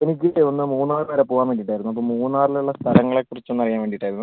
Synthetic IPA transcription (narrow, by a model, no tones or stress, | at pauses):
enik̬ʲːieonːɨmuːnaːrʋɐɾepoːɣaːnmʋeɳɖiʈːaːjiɾunːuɐp̬ːomuːnːaːriluɭːɐst̪ʰɐlɐŋːɐɭekːurit͡ɕːonːɐrijaːnʋeːɳɖiʈːaːjɾunːu